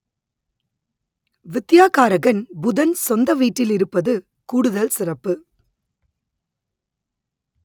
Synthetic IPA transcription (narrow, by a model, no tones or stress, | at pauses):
ʋɪt̪ːɪjaːkaːɾɐɣɐnbʊðɐnsɔnd̪ɐʋiːʈːɪlɪɾɯpːɐðɯ | kuːɽɯðɐlsɪrɐpːɯ